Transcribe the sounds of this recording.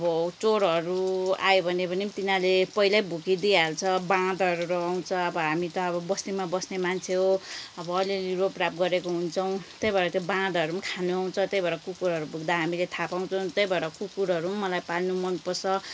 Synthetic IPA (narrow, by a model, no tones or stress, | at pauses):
ʌbʌt͡soɾɦʌɾua̰jobʱʌnebʌnit̪inalepʌilajbʱukid̪ialt͡sʰʌbãd̪ʌɾuɾɔɦaw̃t͡sʰʌʌbʌɦamit̪ʌːbʌbʌsnimabʌsnemant͡sʰeɦoʌbʌːliliɾoprapɡʌɾekoɦunt͡sʰʌw̃t̪ʌjbʱʌeɾʌt̪jbãd̪ʌɾumkʰanuaw̃t͡sʰʌt̪ʌjbʌɾʌkukuɾɦʌɾubʱuɡd̪aɦamilet̪ʰapaw̃t͡sʰʌw̃t̪ʌjbʱʌeɾʌkukuɾʌɾumʌlajpalnumʌnpʌsʰʌ